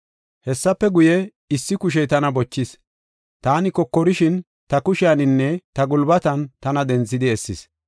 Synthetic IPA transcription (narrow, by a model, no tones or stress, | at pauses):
hɛsːɐpːɛɡʊjɛ | ɪsːɪkʊʃ̬ɛjt̪ɐnɐbɔt͡ʃːɪs | t̪aːnɪkɔkːɔɾɪʃɪn | t̪ɐkʊʃɪanɪnːɛt̪ɐɡʊlbɐt̪ɐnt̪ɐnɐd̪ɛnt͡sːɪd̪ɪɛsːɪs